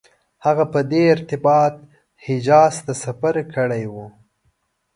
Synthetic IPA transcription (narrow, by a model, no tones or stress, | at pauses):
haɣapəd̪eɪɾt̪ɪbɑt̪̚ | hɪd͡ʒɑst̪asafaɾkəɽajwu